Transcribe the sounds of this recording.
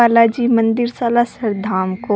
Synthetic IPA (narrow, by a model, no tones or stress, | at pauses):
aːlad͡ʒiːmɐ̃nd̪ɪɾsaːlasɐɾd̪ʱaːmko